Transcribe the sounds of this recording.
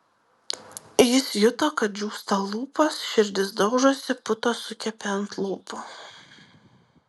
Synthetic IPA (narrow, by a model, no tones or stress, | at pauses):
jɪsjʊt̪oːkɐt̪̚d͡ʒʲuːst̪ɐlˠuːpɐsʃʲɪɾʲd̪ʲɪsd̪ɒʊʒoːsʲɪpʊt̪oːsʊkʲɛpʲeɐnt̪lˠuːpʊ